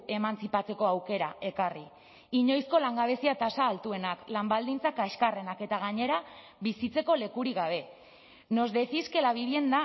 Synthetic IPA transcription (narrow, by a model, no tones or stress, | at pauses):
e̞mant͡sipat͡se̞ko̞awke̞ɾae̞kari | iɲo̞jsko̞laŋɡaβ̞e̞siat̪asaːlt̪ue̞naklambald̪int͡sakaeskare̞nake̞t̪aɣ̞aɲe̞ɾa | βisit͡se̞ko̞le̞kuɾiɣaβ̞e̞ | no̞zd̪e̞θiske̞laβiβie̞nd̪a